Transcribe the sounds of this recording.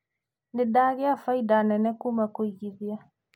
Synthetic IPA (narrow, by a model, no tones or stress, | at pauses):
ndɪdaɣeafaidanɛnɛkumakoiɣiðia